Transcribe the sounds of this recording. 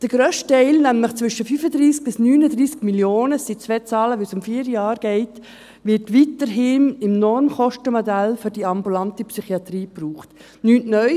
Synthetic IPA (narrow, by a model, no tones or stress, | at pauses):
d̥əɡ̥ɾøːʃttɛɪlnæmləχt͡svʏʃəfyːfəd̪ɾiːsk̚b̥ɪsnyːnədɾiːskmiljoːnəsit͡sʋɛt͡sɑːləʋɛsʊmfiːɾjɑːɾɡ̥ɛɪt | ʋɪtʋiːtəɾɦɪːnɪmnɔɾmχɔʃtəmɔdælfʏɾdiɑmbulɑntəpsyχiɑt̪riːpruːχt | nytnœʏ